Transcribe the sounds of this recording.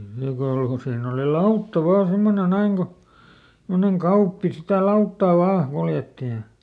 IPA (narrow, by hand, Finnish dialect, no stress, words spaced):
niːŋ kɑuɑŋ ko siːnː oli lɑutːɑ ʋɑːn̞ semːone næiŋ ɡ̊o semːoneŋ kɑupːi sitæ lɑutːɑˑ ʋɑː kuljetːi jɑ